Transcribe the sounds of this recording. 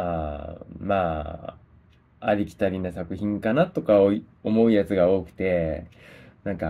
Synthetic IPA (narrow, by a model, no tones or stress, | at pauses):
a | maː | ɾʲikʲi̥t̪aɾʲinasakɯ̟çĩŋkanat̪o̞kaoi | omo̞ɯ̟jat͡sɨɡao̞ːkɯ̟̥t̪e̞ | nãŋka